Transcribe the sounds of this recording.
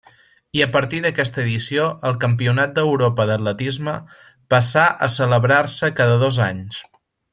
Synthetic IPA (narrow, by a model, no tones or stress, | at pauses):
iəpəɾt̪iðəkɛst̪əːðisioʔəlˠkəmpiunat̪̚d̪əwɾopəðət̪lət̪izmə | pəsaʔə̰sələβɾarsəkaðəðozaɲs